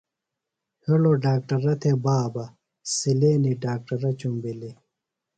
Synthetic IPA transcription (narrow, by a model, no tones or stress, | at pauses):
heloɖaːk̚ʈɐɾɐt̪ʰebaːbɐ | sileːniɖaːk̚ʈɐɾɐt͡ɕumbili